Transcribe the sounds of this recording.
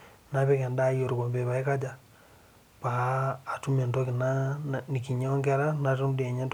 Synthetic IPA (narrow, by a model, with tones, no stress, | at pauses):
na˦pɛ˦kɛ˨nda˦jo˨ɾkɔ˨mbe˨βa˨i˦ka˦d͡ʒa˨ | paː˨tu˦me˨ndo˦kɪ˨na˦ni˨ki˨ɲ˦ɔ˦ŋɡɛ˦ɾa˦na˨tu˦m˦dɛ˨ɲɛ˦nt